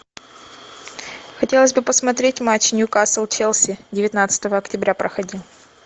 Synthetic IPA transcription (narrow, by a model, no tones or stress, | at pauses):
xɐtʲe̞lˠəzʲbɨpəsmɐt̪ɾʲetʲmat͡ɕnʲjuʊkasəlˠt͡ɕelˠsʲɪdʲɪvʲɪt̪nat̪sɨ̥t̪əvəɐktʲɪbɾʲapɾʔəxɐdʲilˠ